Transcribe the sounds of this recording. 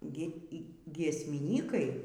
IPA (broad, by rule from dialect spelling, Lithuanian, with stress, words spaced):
ɡʲɪ iː ɡʲiɛsʲmʲɪˈnʲiːkɐɪ